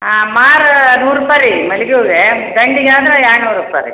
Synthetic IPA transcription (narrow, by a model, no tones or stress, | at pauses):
maːɾnuːɾupaɾimɐliɡoːɡed̪ɐɳɖiɡeaːd̪ɾɐjaːɾnuːɾupːa̰ɾḭ